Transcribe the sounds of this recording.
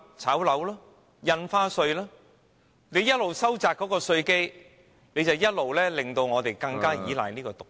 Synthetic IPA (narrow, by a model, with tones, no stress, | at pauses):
t͡sʰaː˨˥wlɐ˨˥wlɔː˥ | jɐ˧nfaː˥sɵ˧ɥlaː˥ | ne˨˧jɐ˥t̚lo˨wsɐ˥wt͡saː˨kːɔ˨˥kɔː˧sɵ˧ɥke˥j | ne˨˧jt͡sɐ˨wjɐ˥t̚lo˨wlɛː˥lɪ˨ŋt̪o˧wŋɔː˨˧t̪e˨jkɐ˧ŋkaː˥jiː˨˥la̰ː˨˩niː˥kɔː˧t̪ʊ˨k̚